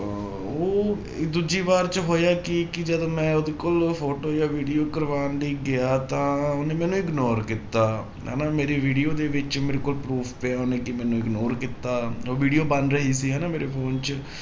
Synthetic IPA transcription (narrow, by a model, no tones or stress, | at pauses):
oː | d̪ud͡ʒiːʋaːɾt͡ʃəɦoːjaːkɪkɪd͡ʒəd̪õːmɛ̃ːʊd̪eːkolpʰoːʈoːjaːʋiːɖijoːkəɾʋaːnliːɡɪaːt̪ãːʊneːmɛ̃ːnũːɪɡnoːɾkɪt̪ːaː | ɦɛ̰ːnaːmeːɾeːʋiːɖijoːd̪eːʋɪt͡ʃmeːɾekoːlpɾuːpʰpeaːonẽːkɪmɛ̃ːnũːɪɡnoːɾkɪt̪ːaːoːʋiːɖijoːbənɾəɦiːsiːɦɛːnaːmeːɾeːpʰoːnt͡ʃ